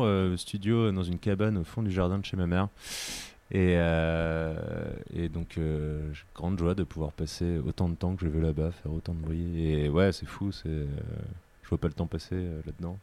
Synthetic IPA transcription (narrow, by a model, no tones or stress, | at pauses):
øəst̪ʰyd̪jod̪ɑ̃zynkʲabanofɔ̃d̪yʒaʁd̪ɛ̃d̪əʃemamɛʁ | eø | ḛd̪ɔ̃kʰøʒeɡ̥ʁɑ̃d̪ʒwad̪əpuvwaʁpaseo̰t̪ɑ̃d̪ət̪ɑ̃kəʒəvylabafɛʁot̪ɑ̃d̪əbʁijeewɛsɛfusɛø̰ | ʒəvopalət̪ɑ̃paseølad̪əd̪ɑ̃